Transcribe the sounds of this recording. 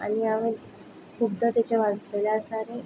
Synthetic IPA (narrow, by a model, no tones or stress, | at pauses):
a̰niaʋel | kʰupd̪ət̪at͡ɕaʋaɡkelaəsaɾe